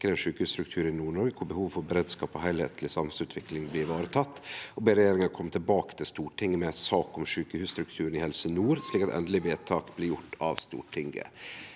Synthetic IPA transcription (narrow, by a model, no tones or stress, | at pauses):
kəɾɛɪnʂʉːkəhʉːst̪ɾʉk̚t̪ʰʉːɾɪnuːɳɔɾɡkʰʊbəhuːʋfɔɾbɛɾeːd̪skɑːpɔhæɪlhḛːt̪ʰlɪsɑmhɛsʉːt̪ʰʋɪklɪŋblɪʋɑːɾət̪ʰɑt̪ːɔbeːɾɛjeːɾɪŋɑkʰɔmːt̪ʰɪlbɑːkə̥t̪ʰɪlst̪uːʈʰɪŋːəmɛsɑːkɔmʂʉːkəhʉːst̪ɾʉkt̪ʰʉːɾənɪhɛlsənuːɾsliːkɑt̪ɛ̰nd̪əlɪʋeːt̪ʰɑːkblɪjʊʈʰːɑ̰ʋst̪ṵːʈʰɪŋɡə̰